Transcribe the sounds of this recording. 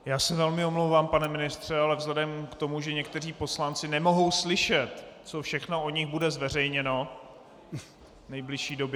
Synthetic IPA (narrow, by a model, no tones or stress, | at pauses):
jaːsɛvɛlmɪomlowvaːmpanɛmɪnɪst̪r̝̥ɛalɛvzlɛdɛmkt̪o̞muʒɛɲɛk̚t̪ɛriːpo̞slant͡sɪnɛmo̞ɦo̞wslɪʃɛt̪t͡sofʃɛxno̞oɲɪɣbudɛzvɛr̝ɛjɲɛno̞ | nɛjblɪʃiːdo̞bjɛ